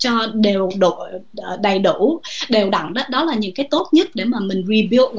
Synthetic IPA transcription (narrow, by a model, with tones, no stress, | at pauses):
t͡ɕɔ˧ɗe˨˩wɗo̰˧˨˩ | ɗa˨˩jɗu˧˩˥ɗe˨˩wɗa̰˧˨ŋɗɔː˨˦ɗɔ˨˦laː˨˩ɲɨ̰˧˥ŋkaː˨˦jt̪o˦˥t̚ɲə˦˥t̚ɗe˧˩maː˨˩mï˨˩ŋ̟ɹi˨˩ɓi˧˦